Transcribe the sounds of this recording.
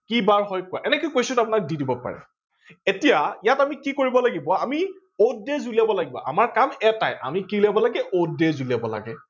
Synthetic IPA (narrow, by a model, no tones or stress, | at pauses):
kibaɹɦɔjkwaʔɛnɛkojkojsʊtap̬ʊnak̚didibɔpa̰ɹɛ̰ | etijajatamikikoɹibɔlaɡibɔami | odezuliabɔlaɡibɔ̰ʔa̰maɹkamɛta̰jʔa̰mikilabɔlaɡɛʔodezuliabɔla̰ɡɛ